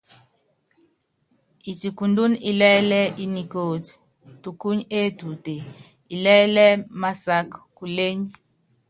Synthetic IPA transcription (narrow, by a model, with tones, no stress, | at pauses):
i˨ti˨ku˨ndu˦ni˨lɛ˦lɛ˦ʔi˦ni˨ko˨ti̥˨ | tu˨ku˦ɲe˦tu˨te˨ | i˨lɛ˦lɛ˦ma˦sa˦kku˨le˦ɲ˦